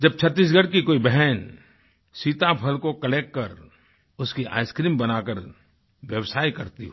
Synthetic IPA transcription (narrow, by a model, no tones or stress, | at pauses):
d͡ʒɐb̚t͡ʃʰɐt̪ːiːs̬ɡəɽkikoːibɛɦɛn | siːt̪apʰɐlkokɐleːkːɐɾ | ʊskiʔa̰ːɪskɾiːmbɐnaːkəɾ | ʋjəwsaːikɐɾt̪ḭɦo